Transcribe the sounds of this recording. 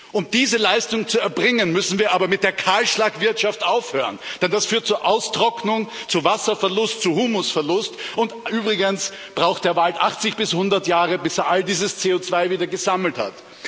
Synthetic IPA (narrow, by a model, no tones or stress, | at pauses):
ʔʊmd̥iːzəlaɪstʊŋt͡suɛɐbʁɪŋənmʏsn̩viːɐʔaːbɐmɪt̚d̥eːɐkʰaːlʃlaːkv̥ɪɐtʃaftʔaʊfhøːʁənd̥ɛnd̥asfyːɐt̚t͡suːɐʔaʊstʁ̥ɔknʊŋt͡suvasɐfɛɐlʊstt͡suhuːmʊsfɛɐlʊstʊntʔyːbʁɪɡəns | b̥ʁaʊxtd̥eːɐvaltʔaχt͡sɪçb̥ɪshʊndɐtjaːʁəbɪseːɐʔaldiːzəst͡seːot͡sv̥aɪviːdɐɡəzaml̩tha̰t